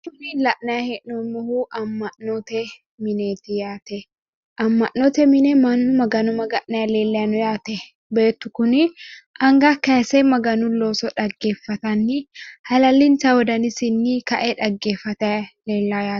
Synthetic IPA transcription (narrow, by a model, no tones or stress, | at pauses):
kʊnɪlɐʔnɐjɐhɛʔnɔmɔhuʔɐmːɐʔnoːt̪ɛ | mɪneːt̪ɪjaːt̪ɛ | ʔɐmːɐʔnoːt̪ɛmɪnɛmɐnʊmɐɡɐnʊmɐɡɐʔnɐjleːlːɐnʊjaːt̪ɛ | beːt̪ːʊkʊnɪʔɐŋɡakɐːsɛmɐɡɐnʊloːsɔᶑɐɡːe̞ːfːɐt̪ɐnːɪhɐlɐlɪnsɐwɔd̪ɐnɪsɪnːɪkɐʔɛᶑɐɡːe̞ːfːɐt̪ɐleːlːaːjaː